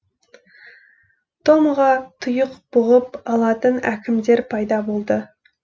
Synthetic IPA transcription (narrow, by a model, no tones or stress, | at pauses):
t̪ʰo̞mʁɑt̪ʰʊjəqb̥ʊʁəpɑlˠɑt̪ənækʲʰɪmd̪e̞ɾpʰɑjd̪ɑbo̞lˠd̪ə